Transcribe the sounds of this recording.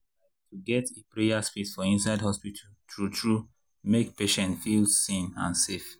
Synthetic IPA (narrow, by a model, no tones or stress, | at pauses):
a | tʰuɡɛtepɹejasfisfɔĩnsaɪdhɔspitʰaltɹutɹu | mekpeʃɛ̃ntfilsĩnã̰nsef